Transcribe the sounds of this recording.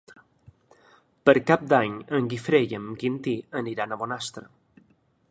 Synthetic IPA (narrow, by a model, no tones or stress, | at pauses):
pəɾkap̚d̪aɲəŋɡifɾeʎəmkint̪iəniɾanəmonast̪ɾə